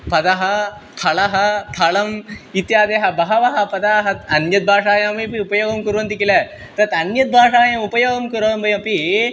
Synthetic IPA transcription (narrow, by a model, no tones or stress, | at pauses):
pɐd̪aɦɐt̪ʰɐɭaɦɐt̪ʰaɭɐmit̪jaːd̪eɦɐbɐɦɐʋɐɦɐpɐd̪aɦɐt̪ɐnjɐt̪̚bʱaːʂaːjãmipiupɐjoːɡɐmkuɾont̪ikila | t̪ɐɐt̪ɐnjɐt̪̚bʱaːʂaːjãupɐjoːɡɐmkɐɾoːnbʱɐjɐ̃pi